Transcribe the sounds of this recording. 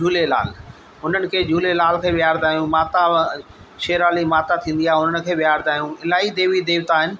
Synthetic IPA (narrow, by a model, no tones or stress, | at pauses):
d͡ʒʱuːlela̰ːl | ɦʊnənɪ̆kʰeːd͡ʑʱuːlelaːlkʰeːɓɪjaːɾd̪aːijũmaːt̪a | ʃeːɾaːlimaːt̪at̪ʰĩːnd̪ijaːɦʊnənɪ̆kʰeːɓɪjaːɾd̪ʱaːijũɪlaːid̪eːʋid̪eːʋt̪aːɦɪnɪ̆